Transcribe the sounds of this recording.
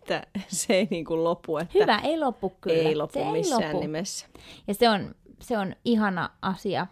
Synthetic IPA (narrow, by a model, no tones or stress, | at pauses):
et̪ːæseeiniːŋkullopːuethyːʋæʔeilopːukkyleːilopseummiisloːæːnunimesːæ̥jɑseonseoniɦɑnɑ̰ʔɑsiɑ̰